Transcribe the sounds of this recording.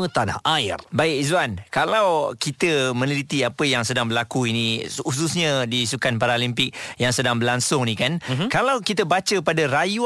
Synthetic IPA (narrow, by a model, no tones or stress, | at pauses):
ə̃t̪anahʔajbaɪk̚zuankalawkit̪əmə̃nəlit̪iapəjaŋsədaŋbəlakuinĩus̬usɲə̃disukanpaɾaolimpɪk̚jaŋsədaŋbəlaŋsʊŋnĩkankalawkit̪əbat͡ʃəpadaɾaju